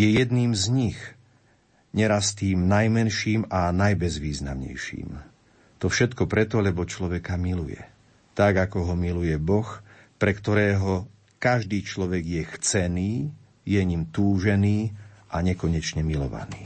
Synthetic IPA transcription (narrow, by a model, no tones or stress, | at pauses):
jɛjɛd̪niːmzɲix | ɲɛɾast̪iːmnajmɛnʃiːmanajbɛzʋiːznamɲɛ̰jʃḭːm | t̪ɔfʃɛt̪kɔpɾɛt̪ɔʎɛbɔt͡ʃlɔʋɛkamilujɛ̰ | t̪aɡakɔɦɔmilujɛbɔx | pɾɛkt̪ɔɾɛːɦɔ | kaʒd̪iːt͡ʃlɔʋɛɡjɛxt͡sɛniː | jɛɲimt̪uːʒɛniːʔaɲɛkɔɲɛt͡ʃɲɛmilɔ̰ʋa̰niː